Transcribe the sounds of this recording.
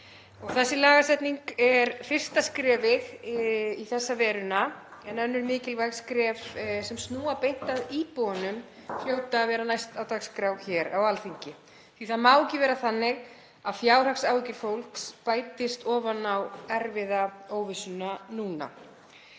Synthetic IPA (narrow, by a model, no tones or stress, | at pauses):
ɔɣθɛsːɪlaːɣasɛt̪niŋkɛɾfɪr̥st̪askɾɛːvɪɣ | iθɛsːavɛːɾʏnaɛnœnːʏɾmɪːcɪlvajɣskɾɛːvsɛmst̪nuːapejht̪aðiːpuanʏm | fl̥joːwt̪avɛːɾanajst̪awt̪akskɾawɣçɛɾawalθiɲcɪ | θiθaðmaːwcɪvɛːɾaθanːɪɣ | aðfjaːwɾ̥r̥aksaːwicɪɾ̥fowl̥kspaːjt̪ɪst̪ɔːvanawɛɾvɪðaoːwvɪsʏnanuːna̰